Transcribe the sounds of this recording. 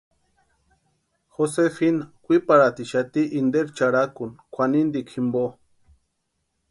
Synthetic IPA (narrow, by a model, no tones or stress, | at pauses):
xosefinakʷipaɾat̪iʃat̪iʔind̪eɾt͡ʃaɽakunkʷanind̪ikʰimbo